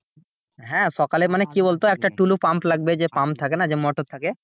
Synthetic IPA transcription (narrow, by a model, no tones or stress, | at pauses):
ɦɛ̃ʃɔkalemanekibolt̪oɛk̚ʈaʈulupamplaɡbed͡ʑepampt̪ʰakenad͡ʑemɔʈot̪ʰake